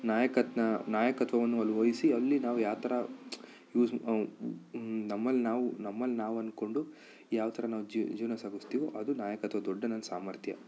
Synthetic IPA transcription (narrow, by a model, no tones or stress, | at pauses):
naːjɐkɐt̪nɐnaːjɐkɐt̪ʋɐʋɐnːuɐlːuʋojisiɐlːinaːʋujaːʋt̪ʰɐɾɐ | juːs | nɐmːɐlːinaːʋunɐmːɐlːinaːʋuɐnko̞ɳɖu | jaːʋɐt̪ʰɐɾɐnaːʋud͡ʒid͡ʒiːʋnɐsaːɡust̪iːʋoʔɐd̪unaːjɐkɐt̪ʋɐd̪ɔɖːɐnɐnːɐsaːmɐɾt̪ʰjɐ̰